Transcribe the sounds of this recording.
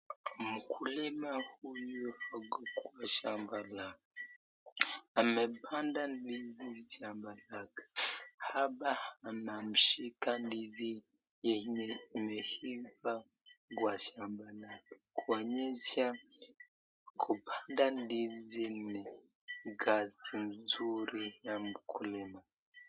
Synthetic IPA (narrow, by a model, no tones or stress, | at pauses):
mukʰulimahujuhaɡukwaʃambalaɡ | amepʰandandizizit͡ʃambalaɡḁhabahanamuʃikandizi | jenehivaɡwaʃambalakakuwaɲesa | kʰupʰandandizine | ɡasinzuɾijamukʰulema